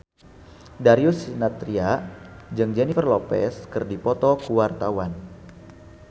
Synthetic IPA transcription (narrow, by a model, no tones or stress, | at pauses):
daɾiusinat̪ɾiad͡ʒɨŋd͡ʒɛnifərlɔpɛ̰skɨrdipɔt̪ɔkuwart̪awan